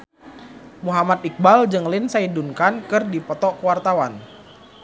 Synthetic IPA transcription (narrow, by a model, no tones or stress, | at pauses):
muɦamat̪ik̚bald͡ʒɨŋlɪnsaidunkankɨrdipɔt̪ɔʔkəwart̪awan